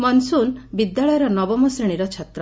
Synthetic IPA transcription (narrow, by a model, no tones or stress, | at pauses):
mɔnsunbid̪jaɭɔjɔɾɔnɔbɔmɔsɾiɽ̃iɾɔt͡ʃʰat̪ɾɔ